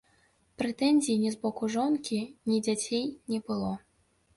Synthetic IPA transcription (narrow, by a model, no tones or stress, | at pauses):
pɾɛt̪ɛnʲzʲijːnʲɛzbɔkuʐɔnkʲinʲid͡zʲat͡sʲejnʲɛbɨlˠɔ